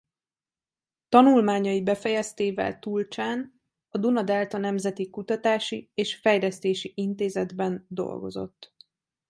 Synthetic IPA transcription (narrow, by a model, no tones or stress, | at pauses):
t̪ɒnulmaːɲɒjibɛfɛjɛst̪eːvɛ̰lt̪ult͡ʃaːn | ɒd̪unɒd̪ɛlt̪ɒnɛmzɛt̪ikut̪ɒt̪aːʃieːʃfɛjlɛst̪eːʃiʔint̪eːzɛd̪bɛnd̪o̞̰lɡo̞̰zo̞̰t̪ː